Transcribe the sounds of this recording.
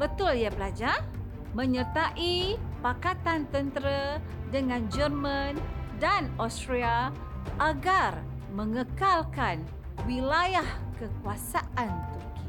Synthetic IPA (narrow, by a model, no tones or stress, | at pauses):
bət̪ʊljabəlad͡ʒar | mə̃ɲərt̪aʔipakat̪ant̪ənt̪əɾə | dəŋãnd͡ʒərmãndanostɾia | ʔaɡar | məŋəkalkan | wilajahkəkuasaʔant̪urki